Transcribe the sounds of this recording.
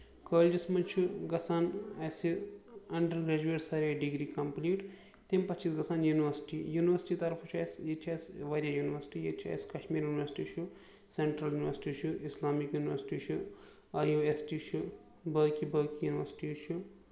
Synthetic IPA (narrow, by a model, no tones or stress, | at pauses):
kəːld͡ʒismɐnt͡ʃʰuɡɐsaːnɐsiɐɳɖɐɾɡɾeːd͡ʒueːʈsɐɾaɖiɡɾiːkɐmpliːʈ | t̪empɐt̪t͡ʃʰːiːsɡɐsaːnjuːniʋəɾsi̥ʈijuniʋɐɾsʈit̪ɐɾfʰɐt͡ʃʰuɐjsjet͡ʃʰɐjsʋɐɾʲjajuniʋɐɾsi̥ʈijet͡ʃʰiɐ̰jskɐʃmiːɾjuːniʋɐɾsi̥ʈit͡ʃʰu | seɳʈɾɐljuːniʋɐɾsi̥ʈit͡ʃʰuislaːmikjuːniʋɐɾsi̥ʈit͡ʃʰu | ɐjuesʈit͡ʃʰu | bəːkibəːkijuːniʋɐɾsi̥ʈit͡ʃʰu